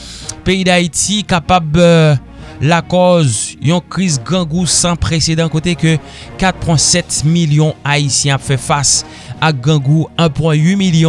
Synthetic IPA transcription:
peid̪ait̪ikapab | lakɔzjɔ̃kʁizɡãɡusãpʁesed̪ɑ̃kot̪ekø | kat̪̚pwɛ̃sɛt̪miljɔ̃aisjɛ̃apfɛfas | aɡãɡuɛ̃pwɛ̃ɥimiljɔ̃

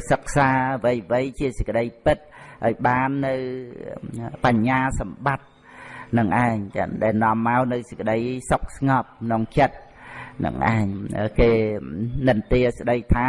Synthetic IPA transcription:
sək̚saːʋɨjʋɨjt͡ɕiəsəc̚kə̆ɗəjpɨt̪̚ʔaɔjɓaːnːɨw | paɲːaːsɑmɓat̪̚ | nɨŋʔaɛŋɗaɛlnŏəmːaɔwnɨwsə̥c̚kə̆ɗəjsok̚sŋɑp̚ʰnoŋt͡ɕət̪̚ | nɨ̰ŋʔa̰ɛŋkeːnɨnt̪iəs̆ɗəjt̪ʰaː

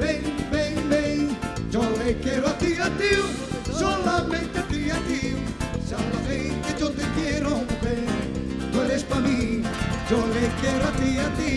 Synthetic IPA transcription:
bẽjbẽj̃bẽj̃d͡ʒolekɛɾwat̪iat̪iw | solamẽnt̪at̪iat̪iw | sawlaβẽjket̪õnt̪ekjeɾõbeɾ | t̪ueɾespamĩd͡ʒolekɛɾwat̪iat̪i

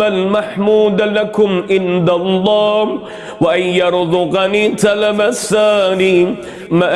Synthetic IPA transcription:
almaħmuːd̪lakʊmʔɪnd̪alˤːɑː | waʔanjɑɾˤzʊqɑniːt̪alamasaːniː | maʔ

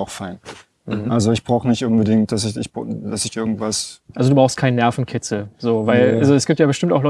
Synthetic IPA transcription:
aʊxfaɪn | ʔalzoɪçb̥ʁaʊxənɪçtʔʊnbədɪŋt̚d̥asɪçɪçbd̥asɪçʔɪɐɡŋ̩tv̥asʔalzoduːbʁaʊst̚kʰaɪnənɛɐfn̩kʰɪt͡sl̩zoːvaɪlalzoɛsɡ̥iːp̚tjaːbəʃtɪmptaʊxlɔ

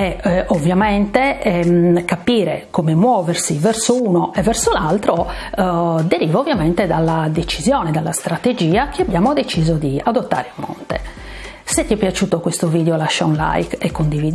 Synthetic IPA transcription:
ɛovːjamɛnt̪ɛɛkapiːɾɛ̰komɛmwɔːversivɛɾsouːnoʔɛvːɛɾsolalt̪ɾo | d̪eɾiːvaovːjamɛnt̪ɛd̪alːad̪et͡ʃizjɔːnɛd̪alːast̪ɾat̪ed͡ʒiːakeabːjaːmod̪et͡ʃiːzod̪iad̪ot̪ːa̰ːɾemːɔ̰nt̪ɛ̰ | sɛt̪ːɛpjat͡ʃuːt̪okwest̪oviːd̪eolaʃːaunla̰jkɛkːond̪iviːd̪

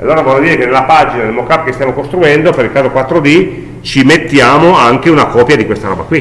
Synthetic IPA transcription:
a̰lːoːɾavɔʎːod̪iːɾekenelːapad͡ʒinanelmokːapːkest̪jamokost̪ɾuɛnd̪opeɾilkaːzokwat̪ːɾod̪i | t͡ʃimet̪ːjaːmoaŋkeunakɔːpjad̪ikwest̪aɾɔ̰ːba̰kwi

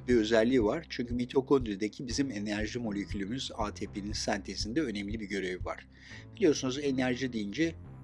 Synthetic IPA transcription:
biø̞zælʲːiːvaɾ̥t͡ʃʰyɲcʰymit̪ʰo̞kʰond̪ɾid̪ecʰibizime̞næɾʒimo̞lʲe̞cʰylʲymyzaːt̪ʰepʰeninsænt̪ʰesind̪ɛø̞nɛmlʲibiɟø̞ɾe̞vva̰ɾ̥ | b̥ilʲijo̞ɾsunuze̞næɾʒid̪ejind͡ʒɛ

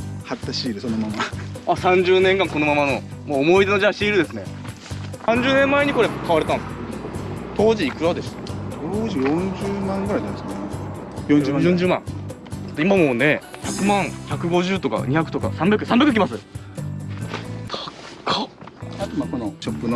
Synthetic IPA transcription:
hat̪ːaɕiːɾɯ̟sonomamaasãɲd͡ʑɨːnẽŋkãŋko̞no̞mamano̞moːmo̞id̪e̞no̞ʑãɕiːɾɯ̟d̪e̞sɨne | sãɲ̟d͡ʑɨːnẽmːaeɲ̟iko̞ɾekʰaβaɾet̪ãn | t̪ʰo̞ːd͡ʑiːkɯ̟ɾad̪e̞sɨ̥t̪oːʑijõɲd͡ʑɨːmãŋɡɯɾaid̪ad̪esɨne | jõɲːjõɲd͡ʑɨːmã̰ŋt̪imamo̞ːne̞çakɯ̟mãŋçʲakɯ̟ɡo̞ʑɨːt̪o̞ka̰ɲiçakɯ̟̥t̪o̞ka̰sãmbʲakɯ̟sãmbʲakɯ̟kʲimasɨ | t̪ḁkʰaat̪makonoɕopːɯno

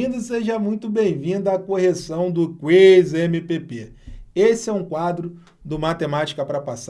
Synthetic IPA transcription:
ĩd̪ʊseʒɐmũj̃t̪ʊbẽj̃vĩnd̪ɐɐkohesɐ̃w̃d̪ʊkwezemipepe | esɪɛũkwad̪ɾʊ | d̪ʊmat̪emat͡ʃi̥kɐpɾɐpas

